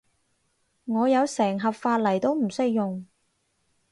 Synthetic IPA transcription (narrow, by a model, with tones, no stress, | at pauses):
ŋɔː˨˧jɐ˨˧wsɛː˨˩ŋɦɐ˨p̚faː˧t̚lɐ˨˩jt̪o˥wm̩˨˩sɪ˥k̚jʊ˨ŋ